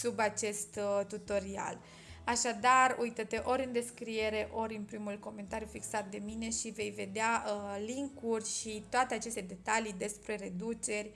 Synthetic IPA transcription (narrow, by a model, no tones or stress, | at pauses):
subat͡ʃe̞st̪t̪ut̪o̞ɾia̰l | aʃad̪arujt̪ət̪eʔo̞ɾʲɨnd̪e̞skɾie̞ɾe̞ʔo̞ɾʲɨnpɾimulko̞me̞nt̪aɾjufiksat̪̚d̪e̞mine̞ʃive̞jve̞d̪ealiŋkurʲʃit̪oat̪e̞at͡ʃe̞st̪e̞d̪e̞t̪alid̪e̞spɾe̞ɾe̞d̪ut͡ʃe̞rʲ